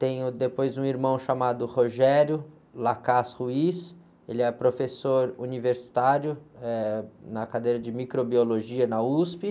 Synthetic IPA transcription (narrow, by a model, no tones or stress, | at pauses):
t̪ẽj̃ʊd̪epojzũiɾmɐ̃w̃ʃamad̪ʊhoʒɛɾjʊ | lakashuis | elɪɛpɾofesoɾuniveɾsi̥t̪aɾjʊɛnɐkad̪ejɾɐd͡ʒɪmikɾobioloʒiɐnɐuspɪ